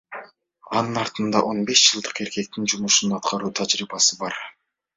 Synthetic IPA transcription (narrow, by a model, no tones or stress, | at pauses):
ɑnɯnɑɾt̪ɯnd̪ɑʔo̞nbe̞ʃd͡ʒɯlˠd̪ɯqe̞ɾke̞k̚t̪ind͡ʒumuʃunɑt̪̚qɑɾuːt̪ʰad͡ʒɾiːbɑsɯbɑɾ